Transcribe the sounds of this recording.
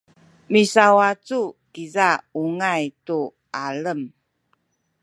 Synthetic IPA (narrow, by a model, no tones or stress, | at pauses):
misawat͡sukizauŋajtu | ʔaləm